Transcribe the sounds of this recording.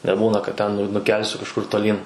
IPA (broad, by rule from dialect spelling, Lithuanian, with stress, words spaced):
nʲɛˈbuːnɐ kɐt ˈtʲɛn nʊ nʊˈkʲɛlʲsʲʊ kɐʃˈkʊr toːˈlʲiːn